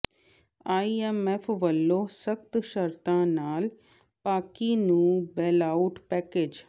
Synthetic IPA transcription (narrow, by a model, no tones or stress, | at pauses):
aːiemefʰʋəlːoːsəkt̪ʃəɾt̪ãːnaːl | paːkinũːbeːlaʊʈpɛːkeːd͡ʒ